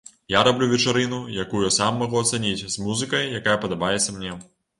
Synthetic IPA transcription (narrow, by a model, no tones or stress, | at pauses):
jaɾablʲuvʲɛt͡ʂaɾɨnujakujɔsamːɐɣuɐt̪sɐnʲit͡sʲzmuzɨkɐjjakajɐpɐd̪abajɛt̪sʲɐmnʲɛ